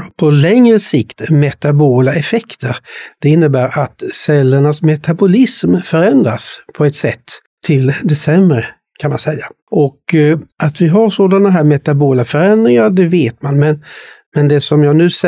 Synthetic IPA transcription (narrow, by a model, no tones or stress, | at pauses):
pʰɔlɛŋɾəsɪkt̪mɛt̪aboːlaɛfɛkt̪ʰəɾd̪̥ɛɪnːəbæːɾʔat̪sɛlːəɳasmɛt̪abʊlɪsmfœɾɛnd̪ɾa̰spʰɔɛt̪sɛt̪ːʰ | ɪld̪ɛsɛmɾə | kʰanmansɛjːa | ʔɔkʔat̪vɪɦaɾʂoːd̪anaɦæːɾmɛt̪aboːlafœɾɛnd̪ɾɪŋaɾɖ̪ɛveːt̪manmɛnmɛnd̪ɛsɔmjɑːɡnʉ̟ːs